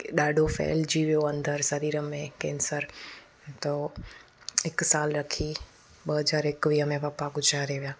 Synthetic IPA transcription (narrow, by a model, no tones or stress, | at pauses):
ɗaːɖʱofɛ̰ːld͡ʑiːʋijoɐ̃nd̪ʱəɾsɐɾiːɾəmẽkɛ̃ːnsəɾ | t̪o | ɪksaːlɾɐkʰi | ɓəɦɐzaːɾɪkʋiːɦəmẽʋɐpakʊd͡ʒʱaɾeːʋijaː